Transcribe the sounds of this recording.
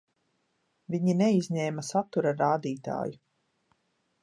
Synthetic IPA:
viɲineizʲɲɛːmasat̪uɾaɾaːd̪iːt̪a̰ːju

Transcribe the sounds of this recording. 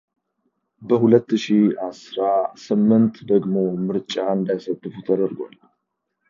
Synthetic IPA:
bəhulət̪ːɨʃiasɾasɨmːɨnt̪d̪əɡmo̞mɨɾt͡ʃʼaɨnd̪ajsət̪ʼːɨfut̪ʰəd̪əɾɡʷa̰l

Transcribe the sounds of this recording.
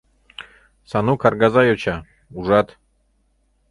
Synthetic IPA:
sanukʰaɾɡazajot͡ʃʰa | uʒat̪

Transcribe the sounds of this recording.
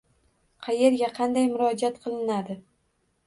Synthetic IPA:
qʰɑje̞ɾɡʲaqʰɑnd̪ajmʊɾɒd͡ʒiat̪qʰɨlˠɪnad̪ɪ

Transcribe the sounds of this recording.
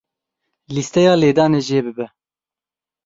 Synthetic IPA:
list̪ɛjɑːleːd̪ɑːneːʒeːbɨbɛ

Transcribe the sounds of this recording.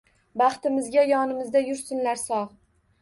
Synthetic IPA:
bɑχt̪ɪmɪzɡʲajɒnɪmɪzd̪ajʊɾsɪnlaɾsɒʁ

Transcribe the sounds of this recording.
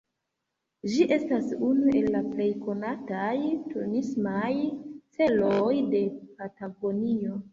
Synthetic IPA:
d͡ʒiʔe̞stasunue̞lːaple̞jko̞natajtunismajt͡se̞lojde̞pataɡo̞nio̞

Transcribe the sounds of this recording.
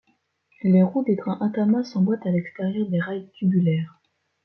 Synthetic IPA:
leʁud̪eɡʁɛ̃ʔãt̪amasɑ̃bwat̪alɛkst̪eʁjœʁd̪eʁajkʰʲybylɛːʁ

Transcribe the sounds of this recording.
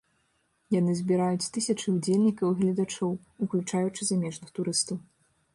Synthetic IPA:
jan̪ɨzʲbʲiɾajut͡sʲt̪ɨsʲɐt͡ʂɨud͡zʲelʲnʲikɐwiɣlʲɐd̪at͡ʂɔw | uklʲut͡ʂajut͡ʂɨzamʲɛʐnɨxt̪uɾɨst̪ɐw

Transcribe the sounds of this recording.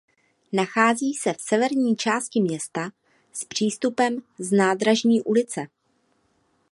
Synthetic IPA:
naxaːziːsɛfsɛvɛɾɲiːt͡ʃaːst̪cɪmɲɛst̪a | spr̝̥iːst̪upɛmznaːd̪ɾaʒɲiːʔulɪt͡sɛ

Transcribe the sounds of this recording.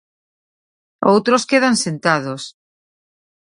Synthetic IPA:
owt̪ɾoskeðansent̪að̞os

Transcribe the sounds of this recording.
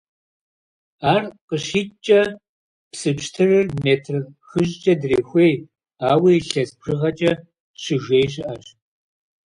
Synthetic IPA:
aːrqəɕiːt͡ʃʼɐ | psɨpɕtʰɨrɨrmeːtʰrxɨʑt͡ʃʼɐdreːxʷej | aːwiːjɬɐspʰrɨʁɐt͡ʃʼɐ | ɕɪʒʷeːjɕɪʔɐɕ

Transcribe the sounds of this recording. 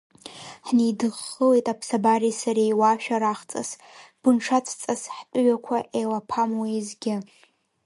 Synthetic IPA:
ħnidɨχːəlejtʼapʰsabarisaɾejwaʃᶣaɾaχt͡sʼa̰s | b̥ɨnʈ͡ʂʰat͡sʰt͡sʼasħt͡pʼʊɥakʷʰaʔelapʰamwajzɡʲɪ

